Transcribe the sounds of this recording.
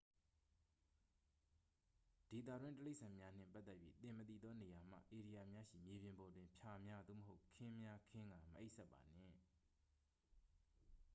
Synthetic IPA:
d̥e˨t̪̬a̰˦˨dwɪ̃˦təle˦ɪʔsʰã˨mja˦n̥ɪ̰̃˦˨mpa˦ʔt̪ːɛ˦˨pːji˦t̪ɪ̃˨mət̪ḭ˦˨d̪ðɔ˦ne˨ja˨m̥ä̰˦˨ʔe˨ɾi˨ja˨mja˦ʃḭ˦˨mje˨bjɪ̃˨mbɔ˨dwɪ̃˨mpʰja˨mja˦d̪ðo̰˦˨əɦo˦ʊkʰɪ̃˦mja˦kʰɪ̃˦ŋɡa˨məʔe˦ɪʔsʰɛ˦pːa̰˨n̥ɪ̰̃˦˨

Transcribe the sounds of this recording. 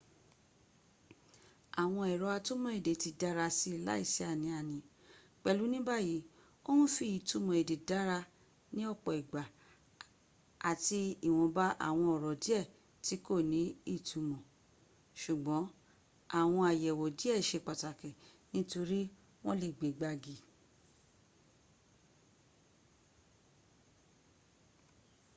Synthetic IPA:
a˨w̃ɔ̃˧ɛ˨ɾɔ˧˦a˧to˦mɔ̃˨e˨de˨ti˧da˦ɾa˧si˧˦i˨la̰˦i˦˨sɛ˦a˦˨nĩ˨˧a˨nĩ˨˦ | k͡pɛ˧˨lu˨˦nĩ˦ba˦ji˨˦ | o˦nũ˦fi˧˦i˨tu˧mɔ̃˨e˨de˨da˨˦ɾa˧ | nĩ˦ɔ˦˨k͡pɔ˨i˨ɡ͡ba˨ | a˨ti˧i˨w̃ɔ̃˧ba˦ʔa̰˦˨w̃ɔ̃˧ɔ˨ɾɔ˨di˦ɛ˦˨ | ti˨˦ko˦˨nĩ˨˦i˦˨tʰu˨˧mɔ̃˨ | ʃu˨ɡ͡bɔ̃˨˦ | a˦˨w̃ɔ̃˧a˨jɛ˨wɔ˨di˦ɛ˦˨ʃe˧k͡pa˨ta˨kɛ˨ | nĩ˦to˧ɾi˦ | w̃ɔ̃˦le˨ɡ͡be˨ɡ͡ba˧ɡi˨

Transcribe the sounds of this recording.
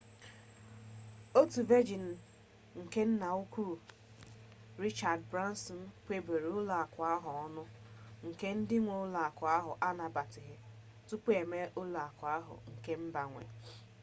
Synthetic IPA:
o˦tu˨ve˦d͡ʒi˨n̩˨ | ŋ̩˨ke˦n̩˦na˨ʊ˦kʷu˦ɾu˨ | ɾi˦t͡ʃa˨dbɾa˦n˦sɔ˨n̩˦k͡pʷe˨be˨ɾʊ˦la˨a˨kʷa˨a˦ɦʊ˨ɔ˦nʊ˦ŋ̩˨ke˦n̩˦dɪ˦ŋʷo˨˦ʊ˦la˨kʷa˨a˦ɦʊ˨ʔa˦na˨ba˨tɪ˨ɦɪ˦ | tu˦k͡pe˨me˦ʔʊ˦la˨a˨kʷa˦ɦʊ̰˨ŋ̩˨ke˦m̩˦ba˨ŋʷḛ˨

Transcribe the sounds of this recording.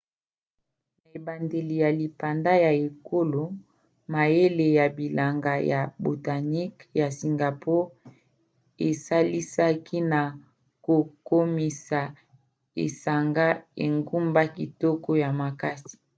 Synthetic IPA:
na˨e˨ba˨nde˨li˨ja˨li˨pa˨nda˦ja˨e˨ko˦lo˨ | ma˨je˦le˨ja˨bi˨la˨ŋɡa˨ja̰˨bo˨ta˨ni˦kja˨si˨ŋɡa˨pɔ˦ | e˨sa˦li˦sa˦kʰi˦na˨ | ko˨ko˦mi˨sa˨ | ḛ˨sa˨ŋɡa˦ḛ˨ŋɡu˦mba˦ki˨tɔ˦kɔ˦ja˨ma˨ka˦si̥˨

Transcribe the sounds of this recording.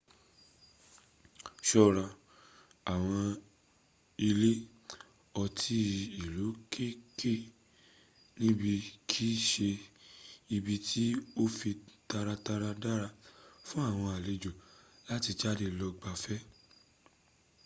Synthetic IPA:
ʃɔ˦ɾã˨ | a˨w̃ɔ̃˧ | i˧le˦ | ɔ˧tʰi˧i˨lu˨˦kʰe˦ke˦˨ | nĩ˦bi˧kʰi˦ʃe˧ | i˧bi˧tʰi˦o˦fi˧ta˧ɾa˧ta˧ɾa˧da˦ɾa˧fũ˦a˦˨w̃ɔ̃˧a˨le˧d͡ʒo˨la˦ti˧d͡ʒa˦˨de˧lɔ˧ɡ͡ba˧fɛ˦

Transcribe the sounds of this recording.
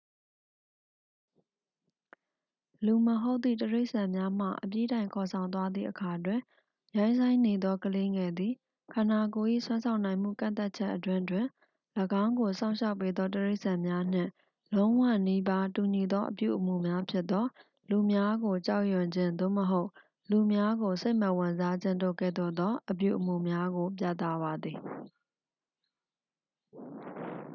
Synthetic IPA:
lu˨məɦo˦ʊt̪ːḭ˦˨təɹe˦ɪʔsã˨mja˦m̥ä̰˦˨ʔəpji˦ɾã˨ɪ̃ŋkʰɔ˨sʰã˨ʊ̃nt̪wa˦d̪ðḭ˦˨ʔəkʰa˨twɪ̃˨ | jã˦ɪ̃nsʰã˦ɪ̃ne˨d̪ɔ˦kəle˦ŋɛ˨d̪i˨ | kʰã˨na˨ko˨ʔḭ˦˨swã˦nsʰã˦˨ʊ̃nã˨ɪ̃m̥ṵ˦˨kã̰˦˨t̪a˦t̚t͡ɕʰɛ˦ʔətwɪ̃˦ʔtwɪ̃˨ | ləɡã˦ʊ̃ŋɡo˨sã˦ʊ̃ʃʰa˦ʊpːe˦d̪ðɔ˦təɹe˦ɪʔsã˨mja˦n̥ɪ̰̃˦˨ | lõ˦ʊ̃wä̰˦˨ni˦ba˦tu˨ɲi˨d̪ɔ˦ʔəpjṵ˦˨ʔəmṵ˨mja˦pʰjɪ˦t̪ːɔ˦ | lu˨mja˦ɡo˨t͡ɕa˦ʊʔjʊ̃˨ɲd͡ʑɪ̃˦˨nd̪o̰˦˨məɦo˦ʊʔ | lu˨mja˦ɡo˨se˦ɪʔmə˨wɪ̃˨nza˦d͡ʑɪ̃˦ndo̰˦˨kɛ̰˦˨d̪o̰˦˨d̪ɔ˦ʔəp̬jṵ˦˨ʔəmṵ˦˨mja˦ɡo˨p̬ja̰˦˨t̪a˦˨ba˨d̪ði˨

